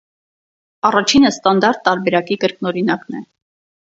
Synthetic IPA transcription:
ɑrɑt͡ʃʰinəst̪ɑnd̪ɑɾt̪ːɑɾbɛɾɑkikəɾknɔɾinɑknɛ

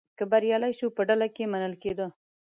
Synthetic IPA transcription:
kəbaɾjɑlajʃupəɖalakemanəlked̪ə

